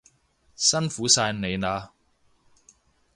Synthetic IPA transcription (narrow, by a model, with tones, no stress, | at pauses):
sɐ˥nfuː˨˥saː˧jne˨˧jnaː˨˧